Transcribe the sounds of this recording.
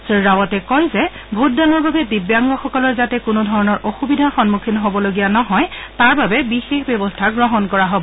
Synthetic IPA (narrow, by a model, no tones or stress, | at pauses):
siɹawɔtɛkɔjzɛ | bʱut̚danɔɹbabɛdibjaŋɡɔxɔkɔlɔɹzatɛkʊnʊdʱɔɹɔnɔɹʔoxubidʱaxɔnmukʰinɦobɔloɡijanɔɦɔjtaɹbabɛbixexbjɛbɔstʰaɡɹɔɦɔnkɔɹaɦobɔ